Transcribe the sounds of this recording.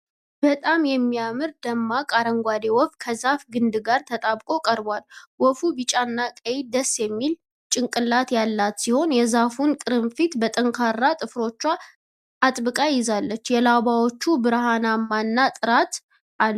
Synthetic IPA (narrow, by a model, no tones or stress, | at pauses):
b̥ət̪ʼamjɛmːijamɨɾd̪əmːakʼaɾəŋɡʷad̪ewɔfkʰəzafɡɨnd̪ɨɡaɾt̪ʰət̪ʼaβkʼo̞kʼəɾbwalwɔfubɨt͡ʃʼanːakʼəjid̪əsːjɛmːil | t͡ʃʼɨŋkʼɨlːat̪jalːat̪siho̞njɛzafunkʼɨɾɨmfit̪bət̪ʼəŋkʰarːat̪ʼɨfɾo̞t͡ʃːa | at̪ʼbɨkʼajɪzalːət͡ʃːjɛlabawo̞t͡ʃːubɨɾhanamːanːat̪ʼɨɾat̪ | ʔal